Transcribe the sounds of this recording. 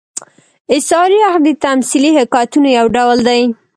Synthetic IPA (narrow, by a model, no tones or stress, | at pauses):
ɪsɑɾiahd̪ət̪amsilihakɑjt̪unojawɖawld̪aj